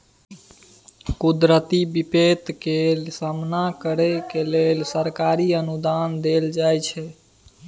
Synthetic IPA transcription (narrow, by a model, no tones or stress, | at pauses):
kud̪ɾət̪ibipet̪kelsəmnakəɾekeleːlsəɾkaːɾiənud̪aːnd̪eld͡ʒaːjt͡ʃʰɛ